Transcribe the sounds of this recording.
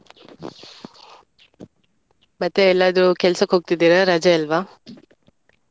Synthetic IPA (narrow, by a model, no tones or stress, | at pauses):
mɐt̪ːeːlːaːd̪ɾukɛlsɐkɦoːɡ̚t̪id̪iːɾɐɾɐd͡ʒɐɐlʋaː